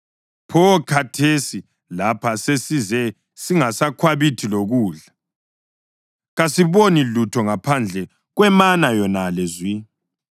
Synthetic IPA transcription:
pʰɔkʰatʰesi | lapʰasesizɛ | siŋasakʰwaβitʰiloɣuːɮa | ɣasiβonilutʰɔŋapʰand͡ɮʱɛ | ɣwɛmanajɔnalezwi

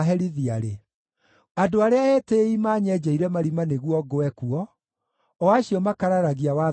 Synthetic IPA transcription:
ɦɛɾiðiaɾe | adoaɾeaɛːteimaːɲɛd͡ʒaiɾɛmaɾimaneɣwɔɡoɛkuɔ | ɔaɕiɔmakaɾaɾaɣiawa

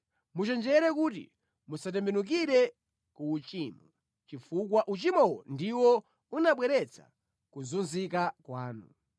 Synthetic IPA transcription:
mut͡ʃɛnd͡ʒɛɾɛkut̬ḭ | musat̬ɛmbɛnuk̬iɾɛ | kuːt͡ʃiːmɔ | t͡ʃifukwaʔut͡ʃimɔwɔ̰ndiwɔ | unaɓwɛɾɛt͡sʰa̰ | kuzunzikakwaːnṵ

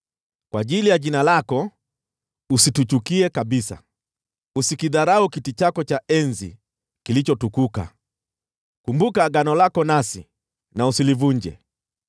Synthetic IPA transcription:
kwaʄilijaʄinalakɔ | usitut͡ʃukiɛkaɓisa̰ | usikiðaɾaukitit͡ʃakɔt͡ʃaɛnzḭ | kilit͡ʃɔtukuka̰ | kumbukaɠanɔlakɔnasi | nausilivuɲd͡ʒɛ̰

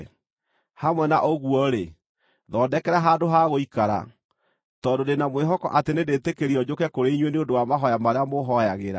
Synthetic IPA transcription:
hamwɛnaʔoɣuɔɾe | ðɔːdɛkɛɾaɦadoɦaɣoikaɾa̰ | tɔːndodenamweɦɔkɔ̰ʔatenedetekeɾiɔd͡ʑokɛkoɾeiɲwɛneondowamaɦɔjamaɾeamoɦɔjaɣeɾa̰

